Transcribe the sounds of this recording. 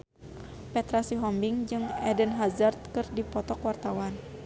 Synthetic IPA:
pɛt̪ɾasiɦɔmbiŋd͡ʒɨŋɛdənɦazart̪̚kɨrdipɔt̪ɔkwart̪awan

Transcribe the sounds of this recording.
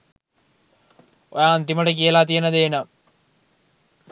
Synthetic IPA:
ojaːnt̪imɐɽek̬ijɐlaːt̪̬ijɐnɐd̪eːnɐ

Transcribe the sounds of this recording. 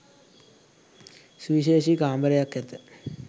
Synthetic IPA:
sʋiːɕeːɕikaːmbɐɾɐjakːet̪ːɨ

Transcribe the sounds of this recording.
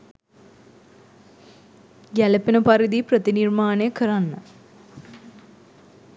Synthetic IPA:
ɡæləpənəpaɾid̪iprət̪inirmaːnejəkəɾanːə

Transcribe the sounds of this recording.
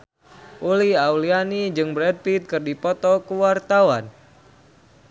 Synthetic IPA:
ʔuliaulianid͡ʒɨŋbɾɛd̚pit̪̚kɨrdipɔt̪ɔkuwart̪awan

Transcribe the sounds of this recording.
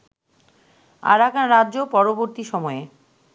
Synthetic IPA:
a̰ɾakanɾadːʑopɔɾoboɾt̪iʃɔmɔe

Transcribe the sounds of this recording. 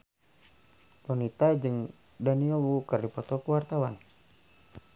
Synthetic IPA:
tɔnit̪ad͡ʒɨŋ | daniɔwukərdipɔt̪ɔkuwart̪awan

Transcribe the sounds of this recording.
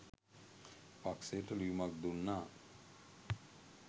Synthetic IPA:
pakseəʈəlijumak̚d̪unːaː

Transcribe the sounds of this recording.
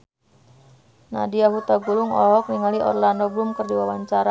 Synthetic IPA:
na̰diaɦut̪aɡulʊŋɔ̰ɦɔk̚niŋaliʔɔ̰rlandɔblumkərdiwawaɲt͡ʃaɾa

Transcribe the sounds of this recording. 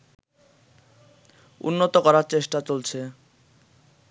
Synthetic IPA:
ṵnːot̪okɔɾaɾt͡ɕeʃʈat͡ɕolt͡ɕʰe

